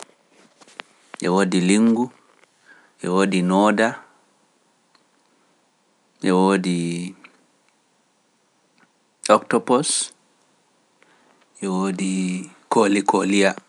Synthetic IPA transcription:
ʔɛ̰woːdiliŋɡu | ʔɛwoːdinɔːda | ʔɛwoːdi | ɔktɔpɔs | ʔɛwoːdi | kolikolija

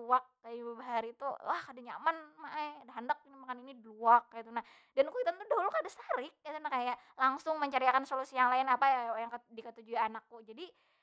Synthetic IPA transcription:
uak̚ːajabəbaɦaɾit̪ṵla̰hkadaɲa̰manmaʔaadaɦandak̚inimakaninidluak̚ːajt̪una | dankuit̪ant̪udaɦulkadasaɾɪk̚ːat̪unahkajaʔlaŋsʊŋməɲt͡ʃaɾiakansolusijaŋlaɪnapajajaŋkdikət̪ud͡ʒuianakːud͡ʒadi

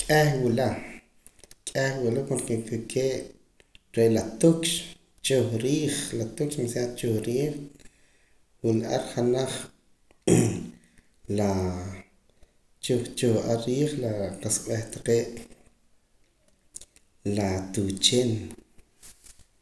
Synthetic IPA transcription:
kʼehwula | kʼehwulakankekikʰeːʔ | ɾeʔlat̪ukʃ | t͡ʃoχɾiːχlat̪ukʃsat͡ʃuχɾiːχ | wilaɾχanaχ | la | t͡ʃut͡ʃuχaɾiːχlaqaskʼɓeχt̪ḁqeːʔ | lat̪ut͡ʃeːn

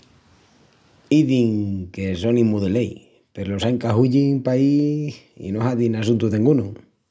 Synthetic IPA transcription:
iðiŋke̞so̞nimuðelej | peɾlo̞saŋkaɦuʎiŋpaisḭnoɦaðinas̬unt̪uðeŋɡunu

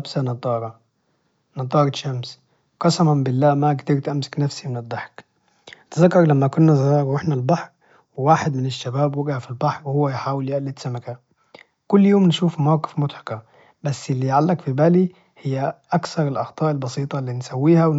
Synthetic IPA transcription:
bsænɑd̪ˤːɑːɾˤɑ | nɑd̪ˤɑːɾˤɑʃːæms | qɑsɑmɑmbɪlːæːmækt̪iɾt̪ʔæmsɪ̥knæfsimɪnɪd̪ˤːɑħk | t̪zakːɑɾˤlæmːækʊnːæzɣɑːɾwɪħnælbɑħɾ | wɪwaːħɪd̪mɪnɪʃːabæːbwɪɡʕafilbɑħɾwhʊwːæjħaːwɪljʔælːit̪samakæ | kʊlːjoːmnʃuːfmawkɪ̥fmʊt̪ˤħɑ̥kɑ | bæsːɪlːiːjʕalːækfibæːli | hɪjːæʔækθɑɾˤɪlʔɑxt̪ˤɑːʔɪlbɑsiːt̪ˤɑlːiːnsæwːiːhæw

